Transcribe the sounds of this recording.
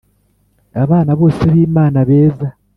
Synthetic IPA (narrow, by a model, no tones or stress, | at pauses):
aβaːnaβo̞ːseβiːmaːnaβe̞ːza